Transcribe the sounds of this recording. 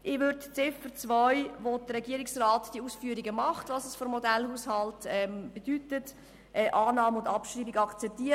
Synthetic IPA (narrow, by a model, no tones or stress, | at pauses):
ʔɪʋʏtt͡sɪfərt͡svœʏvod̥ərɛɡiːəɾɪksraːtd̥iuːsfyːəɾiɡəmɑχtʋɑsɛsfoɾmɔdɛlhuːshɑltɛmb̥ed̥ytət | ʔɛʔɑːnɑːmʊndɑpʃriːbiɡɑkt͡sɛp̚tiːə